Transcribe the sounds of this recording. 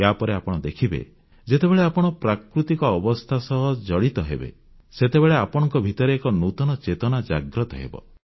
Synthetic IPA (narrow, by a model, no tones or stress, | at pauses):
japɔɾeapɔɽ̃ɔd̪ekʰibḛ | d͡ʒet̪ebeɭeapɔɽ̃ɔpɾakɾut̪ikɔːbɔst̪ʰasɔɦɔd͡ʒɔɽit̪ɔɦḛbḛ | set̪ebeɭeapɔɽ̃ɔŋkɔbʱit̪ɔɾeekɔnut̪ɔnɔt͡ʃet̪ɔnad͡ʒa̰ɡɾɔt̪ɔɦḛbɔ̰